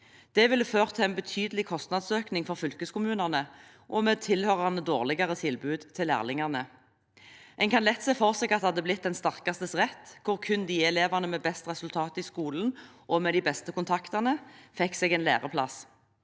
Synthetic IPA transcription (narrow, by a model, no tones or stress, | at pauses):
d̪̥ɛʋɪlːəføːʁt̪ʰɛɛnbət̪ʰyːd̪əlɪkʰɔst̪nɑd̪søːknɪŋfɔʁfʏlkəskʊmʉːnɑʁnə | ʔɔmeːt̪ʰɪlhøːʁɑʁnəd̪oːʁlɪɡɑʁət̪ʰɪlbʉːd̪t̪ʰɪlːæ̰ːʁlɪŋɑʁnə | ʔɛŋkʰɑnlɛt̪ːsɛːfɔʁsɛːɡɑt̪hɑd̪ːəblɪt̪̚d̪ɛnst̪ɑʁkɑst̪əsʁɛt̪ːkʰʊʁkʰʉnd̪iːɛleːʋɑʁnəmeːbɛst̪ʁɛsʉlt̪ʰɑːt̪ɪskuːln̩ | ʔɔmeːd̪ɪbɛst̪əkʰʊnt̪ʰɑkt̪ɑʁnəfɛkːsɛːɡɛːnlæ̰ːʁəpʰlɑ̰s